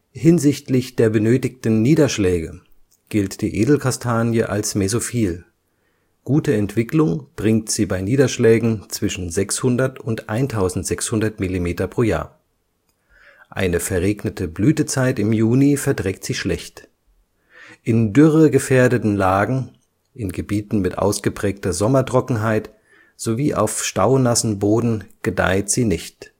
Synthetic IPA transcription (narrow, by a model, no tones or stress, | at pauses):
hɪnzɪçtlɪçd̥eːɐbənøːtɪk̚tn̩niːdɐʃlɛːɡə | ɡ̥ɪltd̥iːʔeːdl̩kʰastʰaːnjəʔa̰lsmezofiːl | ɡ̥uːtəɛntv̥ɪklʊŋb̥ʁɪŋktz̥iːbaɪniːdɐʃlɛːɡŋ̩t͡sv̥ɪʃn̩zɛkshʊndɐtʊntʔaɪntʰaʊzn̩tz̥ɛkshʊndɐtmilimeːtɐpʁ̥oːja̰ːɐ | ʔa̰ɪnəfɛɐʁeːɡnətʰəblyːtət͡saɪtɪmjuːnifɛɐdʁɛːk̚tz̥iːʃlɛçt | ʔɪndʏʁəɡəfeːɐdətn̩laːɡŋ̩ | ʔɪnɡəbiːtn̩mɪtʔa̰ʊsɡ̥əpʁ̥ɛːk̚tɐzɔmɐtʁ̥ɔkŋ̩ɦaɪt | z̥oviːʔa̰ʊfʃtaʊnasn̩boːdn̩ɡ̥əda̰ɪtz̥iːnɪçt